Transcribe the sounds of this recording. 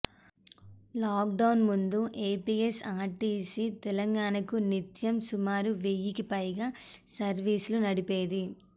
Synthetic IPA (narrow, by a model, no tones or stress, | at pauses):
laːk̚ɖɐwnmund̪uʔeːpiːesaːɾʈiːsit̪ɛlɐŋɡaːnɐkunit̪jɐmsumaːɾuʋejikipɐjɡaːsɐɾʋiːslunɐɽipeːd̪i